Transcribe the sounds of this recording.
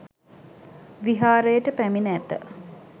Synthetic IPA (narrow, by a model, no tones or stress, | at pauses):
ʋiɦaːɾəjəʈəpæminəæt̪ə̰